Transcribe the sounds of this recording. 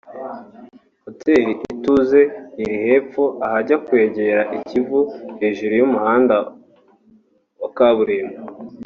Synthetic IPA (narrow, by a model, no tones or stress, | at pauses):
ho̞tʰe̞ːɾiʔituze̞iɾihe̞ːp͡foʔahaɟakwe̞ːɟe̞ɾaʔicivuhe̞ːʒuɾujumuhaːnda | okaβuɾeːmo